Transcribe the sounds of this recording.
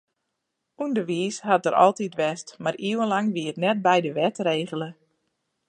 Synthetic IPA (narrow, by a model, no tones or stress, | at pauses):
undəʋiːshat̚dəɾʔɔ̰lˠtitʋɛstmariwənlaŋʋiərnɛt̚bɛjdəʋɛtreːɣələ